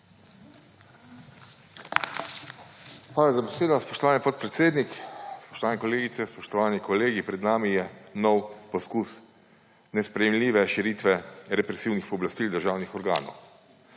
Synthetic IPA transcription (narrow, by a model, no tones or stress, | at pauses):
pɾaːlazabɛseːd̪ɔspɔʃt̪ɔʋaːnʲipɔt̪̚pɾɛt̪seːd̪nikspɔ̥ʃt̪ɔʋaːnɛkɔleːɡit̪sɛspɔʃt̪ɔʋaːnikɔleːɡipɾɛd̪naːmijɛnɔwpɔskus | nɛspɾɛjɛmliːʋɛʃiɾiːt̪ʋɛɾɛpɾɛsiːwnixpɔblast̪iːld̪əɾʒaːwnixɔɾɡa̰ːnɔ̰w